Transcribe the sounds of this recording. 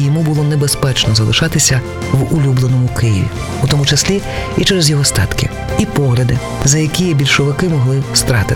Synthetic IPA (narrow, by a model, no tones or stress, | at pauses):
jɔmubʊlˠɔnebespɛt͡ʃnɔzɐlˠɪʃɑt̪ɪsʲɐ | ʋʊlʲublˠenɔmʊkɪjɪ̰ʋʲḭ | ut̪ɔmʊt͡ʃɐsʲlʲiit͡ʃɛɾɛzjɔɦɔst̪ɑ̰t̪kɪ̰ | ipɔɦlʲɐd̪ɪ | zɐjɐkʲijɛbʲilʲʃɔʋɪkɪmɔɦlˠɪwst̪ɾɑt̪ɪ